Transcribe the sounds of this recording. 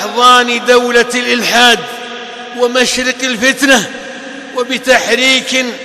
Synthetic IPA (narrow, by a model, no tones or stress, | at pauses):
ħðˤɑːnd̪awlalʔɪlħaːd̪ | wamaʃɾɪqɪlfɪt̪na | wabɪt̪aħɾiːk